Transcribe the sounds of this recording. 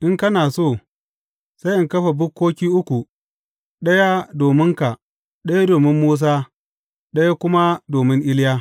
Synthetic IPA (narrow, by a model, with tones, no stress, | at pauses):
ʔɪ˦ŋkɐ˦naː˨soː˦˨ | sa˦jʔɪ˦ŋkɐ˦ɸe˨bʊ˦kːoː˦kʲiː˦ʔʊ˦kʷu˨ | ɗɐ˦ja˦doː˨mɪ˦ŋka˨ | ɗɐ˦ja˦doː˨mɪ˦mːuː˦s̬aː˦ | ɗɐ˦ja˦kʷʊ˦ma˦doː˨mɪ˦ŋʔɪ˦ljaː˦